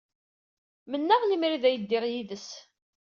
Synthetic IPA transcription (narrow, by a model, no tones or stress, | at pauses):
mənːæʁlimɾiðæjəd̪ːɪʁjiðəs